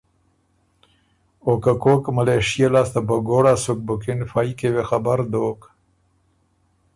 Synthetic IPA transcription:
okakoːkmaleʂijelast̪abaɡoɽasuk̚bʊkɪnfajikewexabaɾd̪oːk

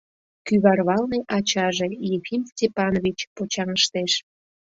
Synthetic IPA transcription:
kyβɑrβɑlneʔɑt͡ɕɑʒejefimstʲepɑnoβʲit͡ɕpot͡ɕɑŋəʃt̪eʃ

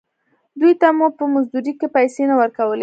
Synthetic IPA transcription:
d̪ujt̪amupəmazd̪uɾikepajsenawəɾkawəle

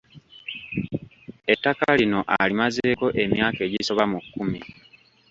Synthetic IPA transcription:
e̞tːakalino̞ʔalimaze̞ːko̞ʔe̞mjaːke̞ːɟiso̞βamukːumi

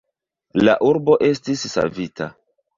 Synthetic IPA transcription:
laʔuɾbo̞ʔe̞stisːa̰vita

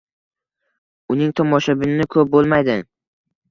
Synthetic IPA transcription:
ʊnɪŋt̪ʰɒmɒʃabɪnɪnɪkʰɵp̚bolˠmajd̪ɪ

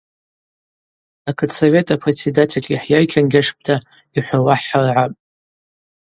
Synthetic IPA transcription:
akʰɨtsove̞tʼapʰret͡sʰedatʰelʲʼiħjajkʲʰanɡʲaʂp̚ʼtʰa | iħʷawaħːarʕapʼ

